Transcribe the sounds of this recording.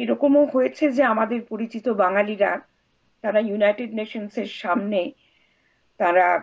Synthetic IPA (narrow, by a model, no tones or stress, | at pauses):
eɾɔkomoɦojet͡ɕʰed͡ʑeamad̪eɾpoɾit͡ɕit̪obaŋaliɾa | t̪aɾajunajʈeɖneʃonseɾʃamne | t̪aɾa